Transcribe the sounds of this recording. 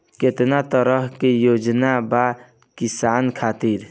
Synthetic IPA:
ket̪nat̪əɾəɦkejod͡ʒnaba | kisankʰat̪iɾ

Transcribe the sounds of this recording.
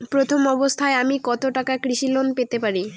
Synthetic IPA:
pɾot̪ʰomɔbost̪ʰaeamikɔt̪oʈakakɾiʃilonpet̪epaɾi

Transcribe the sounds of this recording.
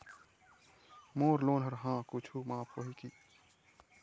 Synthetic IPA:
moːɾloːnɦəɾɦãːkut͡ʃʰuːmãːpoːɦikiː

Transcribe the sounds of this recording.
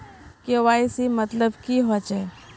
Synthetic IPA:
keʋaːisimət̪ləbkiɦot͡ʃɛ

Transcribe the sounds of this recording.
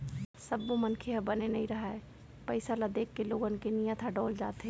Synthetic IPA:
sɐbːomɐnkʰeɦɐbɐnenɐɦĩɾɐɦaɛ | pɐɪsalad̪eːkʰːeloːɡənkenijə̃t̪ʰaɖɔːld͡ʒa̰ːt̪ɦe

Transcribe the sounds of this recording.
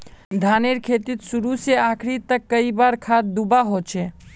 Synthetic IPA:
d̪ʱaneɾkʰet̪it̪suɾuseakʰɾit̪əkːəibaɾkʰad̪d̪ubaɦot͡ʃʰɛ

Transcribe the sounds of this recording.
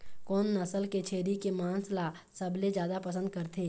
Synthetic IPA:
kɔːnːɐsəlket͡ʃʰeːɾikemaːnsla | sɐbled͡ʒjaːd̪apəs̬ə̃nd̪̚kəɾt̪ʰeː

